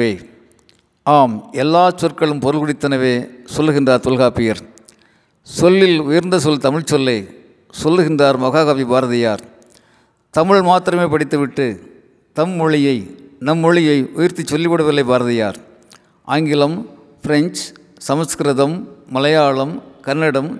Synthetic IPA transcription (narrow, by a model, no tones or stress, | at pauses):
eː | aːmɛlːaːt͡ʃɔɾkɐɭɯmpɔɾɯlɣʊɽɪt̪ːɐnɐʋeːsɔlːɯɣɪndraːɾt̪ɔlɣaːpːɪjɐɾ | sɔlːɪlʊjɪɾnd̪ɐsɔlt̪ɐmɪɭt͡ʃɔlːeː | sɔlːɯɣɪndraːɾmɐɣaːɣɐʋibaːɾɐðɪjaːɾ | t̪ɐmɪɭmaːt̪ɪɾɐmeːpɐɽɪt̪ːɯʋɪʈːɯ | t̪ɐmːʊɻɪjɐɪnɐmːʊɻɪjɐɪʔʊjɪɾt̪it͡ʃːɔlːɪpːɐɽɯʋɪlːɐɪbaːɾɐðɪjaːɾ | ʔaːŋɡɪlɐm | fɪɾɛnt͡ʃ | sɐmɐskɐɾɐðɐmːɐlɐjaːɭɐmkɐnːɐɽɐm